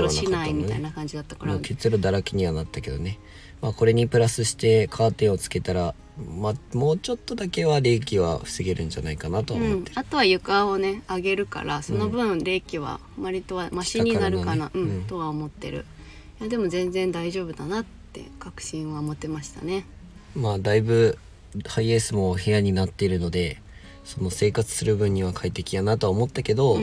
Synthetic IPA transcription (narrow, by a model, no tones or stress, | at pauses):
ɕinaimit̪a̰inakãɲ̟d͡ʑid̪at̪ːḁkaɾakʲet͡sɨɾɯ̟d̪aɾakʲiɲ̟iβanat̪ːake̞d̪o̞̰ne̞ | maːko̞ɾe̞ɲ̟ipɯ̟ɾasɨɕi̥t̪e̞kʰaːt̪ẽ̞o̞t͡sɨ̥ke̞t̪aɾa | mamo̞ːt͡ɕo̞t̪ːo̞d̪ake̞βaɾe̞ːkʲiβa̰ɸɯ̟sɨɡe̞ɾɯ̟̃ɲ̟d͡ʑanaikanat̪o̞βamoat̪o̞βajɯ̟kaone̞aɡe̞ɾɯ̟ka̰ɾaso̞no̞bɯ̟̃ɾe̞ːkʲiβa̰ | maɾʲit̪o̞βamaɕiɲ̟inaɾɯkanaɯ̟̃ɴt̪o̞βao̞mo̞t̪ːe̞̰ɾɯ̟̰ | jad̪e̞mo̞zẽ̞nd͡zẽ̞nd̪aiʑo̞ːbɯ̟d̪anat̪ːe̞̰kakɯ̟̥ɕĩɰ̃βamo̞t̪e̞maɕi̥t̪a̰ne̞ | maːd̪aibɯ̟ | haiesɨmo̞he̞jaɲ̟inat̪ːeiɾɯ̟no̞d̪e̞ | so̞no̞se̞ːkat͡sɨ̥sɨɾɯ̟bɯ̟̃ɲ̟ːiβ̞akʰait̪e̞kʲijanat̪o̞aomo̞t̪ːake̞d̪o̞